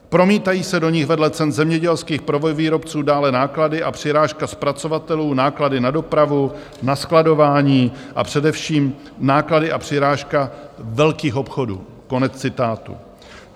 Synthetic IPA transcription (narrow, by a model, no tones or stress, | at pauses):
pɾo̞miːt̪ajiːsɛdo̞ɲɪxvɛdlɛt͡sɛnzɛmɲɛɟɛlskiːxpɾovojviːɾo̞pt͡suːdaːlɛnaːkladɪʔapr̝̥ɪɾaːʃkaspɾat͡so̞vat̪ɛluːnaːkladɪnado̞pɾavu | nasklado̞vaːɲiː | ʔa̰pr̝̥ɛdɛfʃiːm | naːkladɪʔapr̝̥ɪɾaːʃkavɛlkiːxʔo̞pxo̞dṵː | ko̞nɛt͡st͡sɪt̪aːt̪ṵ